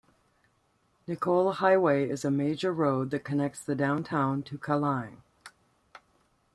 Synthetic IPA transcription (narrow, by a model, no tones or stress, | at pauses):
nɨkʰoʊlˠhaɪweɪɪzɨmeɪd͡ʒə˞ɹoʊd̪̚ðɨt̚kʰɨnɛk̚tsðɨdãʊ̃ntʰãʊ̃ntʰɨkʰəlãɪ̃n